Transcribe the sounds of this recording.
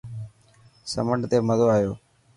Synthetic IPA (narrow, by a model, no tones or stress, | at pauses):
sə̰məɳɖt̪eːməd̪oːaːjoː